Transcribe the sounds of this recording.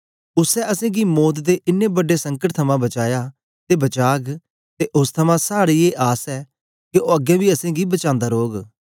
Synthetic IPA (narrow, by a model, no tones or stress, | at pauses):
ʊsɛːʔəsẽːɡiːmɔːt̪d̪eːʔɪnːẽːbəɖːeːsə̃ŋkəʈ̚t̪ʰəmãːbət͡ʃaːjaː | t̪eːbət͡ʃaːɡ | t̪eːʔʊst̪ʰəmãːsaːɽiːeːʔaːsɛː | keʔoːəɡɛ̃ːbiːɐsẽːɡiːbət͡ʃãːnd̪aːɾoːɡ